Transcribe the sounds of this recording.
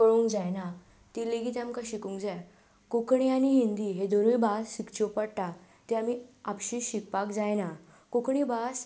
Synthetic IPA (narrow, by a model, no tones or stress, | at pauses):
kəɭoŋkd͡zajna | t̪ileɡit̪amkaɕikũŋkd͡zaj | kokɳianiɦind̪iɦed̪oɾojbasɕikt͡ɕopəɽʈ̪a | t̪eamiapɕiɕik̚pakd͡zajna | kokɳibas